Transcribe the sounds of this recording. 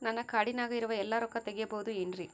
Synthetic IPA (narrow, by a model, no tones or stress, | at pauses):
nɐnɐkːɐɽɪnaːɣɐɪɾɯʋɐɛlːaːɾɔkːɐt̪ɛɣɪjɐpoːðuɛndri